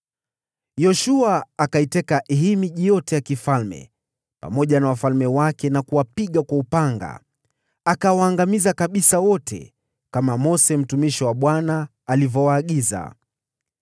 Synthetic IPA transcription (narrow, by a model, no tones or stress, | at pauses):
jɔʃuaːkaitɛkaɦimiʄijɔtɛjakifalmɛ̰ | pa̰mɔʄanawafalmɛwakɛnakuwapiɠakwaupaŋɡa̰ | akawaːŋɡamizakaɓisawɔtʰɛ̰ | kamamɔsɛm̩tumiʃiwaɓwanaː | livɔwaːɠiza̰